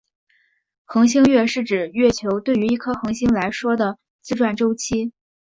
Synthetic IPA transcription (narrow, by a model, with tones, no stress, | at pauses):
xɤ˧˥ŋɕ̬i˥ŋɥɛ˥˧ʂɻ̩˥˩ʈ͡ʂɻ̩˨˩ɥɛ˥˩t͡ɕʰjo˧˥ʊt̪we˥˩ɪy˧˥i˥˩kʰɤ˥xɤ˧˥ŋɕi˥ŋla˧˥ɪʂwɔ˥d̪ə˨ | t͡sɹ̩˥ʈ͡ʂwa˥˩nʈ͡ʂo˥ʊt͡ɕʰi˥